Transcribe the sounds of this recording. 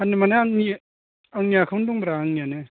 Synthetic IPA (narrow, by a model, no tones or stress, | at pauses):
anːimaneaŋi | aŋniakʰawndɔŋbɾaaŋnijane